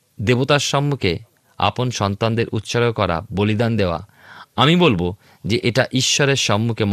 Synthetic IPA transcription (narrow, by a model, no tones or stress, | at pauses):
d̪ebot̪aɾʃɔmːukʰe | a̰ponʃɔnt̪and̪eɾʔut̪ːʃaɾokɔɾa̰bolid̪and̪eoa̰ | amibolbo | d͡ʑeʔeʈaʔiʃːɔɾeɾʃɔmːukʰem